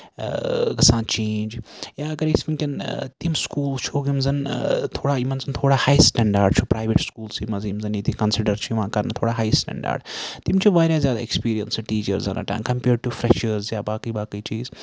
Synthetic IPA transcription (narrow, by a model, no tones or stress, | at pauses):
kɐsaːnt͡ʃẽːnd͡ʒjaːɐɡɐɾisminkʲɐnt̪imskuːlzt͡ʃʰoːɡimzɐnt̪ʰoːɽaːimɐnzɐnt̪ʰoːɽaːhaːjsʈɛ̃ɳɖaːɾɖ̚t͡ʃʰupɾaːʋeʈskuːlsimɐzimzɐnjit̪ikɐnsiɖəɾt͡ʃʰujʋãːkɐɾnat̪ʰoːɽaːɦaːjsʈɛ̰̃ːɳɖa̰ːɾɖt̪imt͡ʃʰuʋaːɾaːzjaːd̪aːekspiːɾijɐnsʈiːt͡ʃəɾzɐ̰na̰ʈã̰nkɐmpeːɾɖ̚ʈufɾɛʃəɾzjaːbaːkiːbaːkəit͡ʃiːz